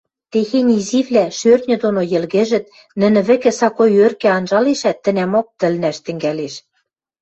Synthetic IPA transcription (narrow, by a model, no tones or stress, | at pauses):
t̪exenʲiziβlæʃørt̪̚nʲɘ̆d̪onojɘ̆lɣɘ̆ʒɘ̆t̪̚ | nɘ̆nɘ̆βɘ̆kɘ̆sɑkojørkĕɑnʒɑleʃæt̪ːɘ̆næmok̚t̪ɘ̆lnæʃt̪ɘ̆ŋɡæleʃ